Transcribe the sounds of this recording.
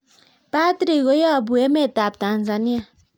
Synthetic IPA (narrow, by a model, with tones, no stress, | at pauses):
pa˦t̪ɾi˨ɡo˦ja˦bu˨e˦me˦t̪a˨p̚d̪a˨nd͡za˨ni˦